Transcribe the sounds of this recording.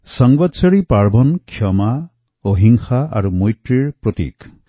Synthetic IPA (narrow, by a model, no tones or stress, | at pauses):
sɔŋwɔd̪sɔɽipaɾbʱɔnkʰjɔma | oɦiŋxaʔa̰ɾumojʈɾiɽpɾɔt̪ḭk